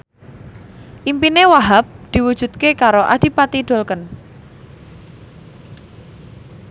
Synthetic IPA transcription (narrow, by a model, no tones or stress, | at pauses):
ʔimpinewaɦap̚d̪̥i̤wud̥ʒ̥ṳt̪̚kekaɾoʔa̰ɖ̪̥i̤pat̪iɖ̪̥o̤lkən